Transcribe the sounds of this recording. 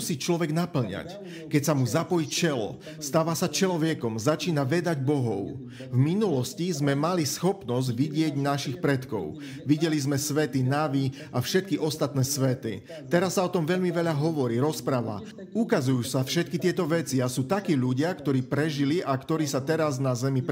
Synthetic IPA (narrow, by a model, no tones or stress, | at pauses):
usiːt͡ʃlɔʋɛɡnapl̩ɲa̰c | kɛcsamuzapɔjit͡ʃɛlɔ̰ | st̪aːʋasat͡ʃɛlɔʋɪɛkɔmzat͡ʃiːnaʋɛd̪aɟbɔɦɔʊ | vminulɔscizmɛmalisxɔpnɔzɟʋiɟɪɛɟnaʃixpɾɛt̪kɔ̰ʊ | ʋiɟɛlizmɛsʋɛt̪inaʋi | afʃɛt̪̚kiʔɔst̪at̪nɛːsʋɛt̪ḭ | t̪ɛɾasːaɔt̪ɔmʋɛʎmiʋɛʎaɦɔʋɔɾiːɾɔspɾaːʋa̰ | ukazujuːsafʃɛt̪̚kit̪ɪɛt̪ɔʋɛt͡siasuːt̪akiːʎuɟɪakt̪ɔɾiːpɾɛʒiliʔakt̪ɔɾiːsat̪ɛɾaznazɛmip